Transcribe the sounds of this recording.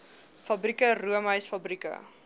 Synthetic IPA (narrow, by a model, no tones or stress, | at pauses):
fɐbrikəruəməjsfɐbrikə̰